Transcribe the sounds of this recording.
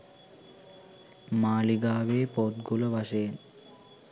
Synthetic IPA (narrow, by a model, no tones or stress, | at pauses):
maːliɡaːʋeːpot̪̚ɡuləʋaʃeːn